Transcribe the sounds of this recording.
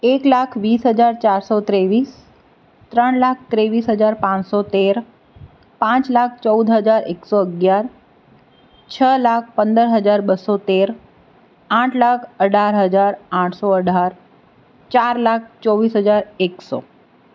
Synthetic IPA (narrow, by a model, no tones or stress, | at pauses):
eklakʰʋisɦəd͡ʒaɾt͡ʃaɾsot̪ɾeʋis | t̪ɾəɳlak̚ʰt̪ɾeʋisɦəd͡ʒaɾpãsot̪eɾ | pãt͡ʃlakʰt͡ʃəud̪ʱɦəd͡ʒaɾeksoəɡjaɾ | t͡ʃʰəlak̚ʰpənd̪əɾɦəd͡ʒaɾbəsot̪eɾ | ãʈʰlakʰəɖʱaɾɦəd͡ʒaɾãʈʰsoəɖʱaɾ | t͡ʃaɾlak̚ʰt͡ʃɔʋisɦəd͡ʒaɾekso